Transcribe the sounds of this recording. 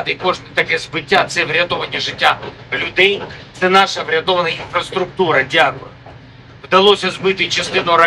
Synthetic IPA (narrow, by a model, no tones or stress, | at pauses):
t̪ɨkoʐt̪ɨt̪ɐkɛzbɪtʲːat̪sɛvɾʲɐd̪ovɐnʲɪjəʐɪtʲːa | lʲʊd̪ɛjt̪sɛnaʂɐvɾʲɪɐd̪ovɐnɐjinfɾɐst̪ɾʊk̚t̪uɾɐdʲɪaɡlˠɐ̰ | vd̪ɐlˠosʲɐzbɨt̪ɨt͡ʃɪst̪ɪnoɾɐ